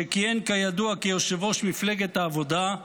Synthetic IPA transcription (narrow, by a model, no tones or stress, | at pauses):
ekienkajad̪uakejoʃevo̞ʃmifle̞ɡet̪aːvo̞d̪a